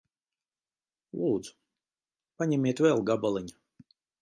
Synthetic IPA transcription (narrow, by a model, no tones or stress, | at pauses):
lˠuːd̪zu̥ | paɲɛmiɛt̪vɛlˠɡabalˠiɲa